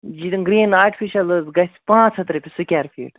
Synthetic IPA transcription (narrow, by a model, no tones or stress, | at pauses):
d͡ʒit̪ɡɾiːnaːɾʈifiʃɐlɨzɡɐsʲpãːt͡sʰhɐt̪ɾɐpʲisukʲaːɾfʰʲḭːʈ